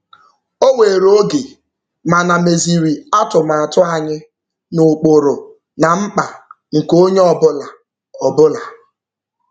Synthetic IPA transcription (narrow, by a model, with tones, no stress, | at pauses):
o˦we˨ɾo˦ɡe˨ | ma˨na˨me˨zi˨ɾi˨a˦tʊ˨ma˨tʊ˦a˨ɲɪ˦ | nʊ˨k͡po˨ɾʊ˨ | na˨ŋ͡m̩˦k͡pa˨ | ŋ̩˨ko˦ɲe˦ɔ˦˨bʊ˦la˨ | ɔ˨bʊ˦la˨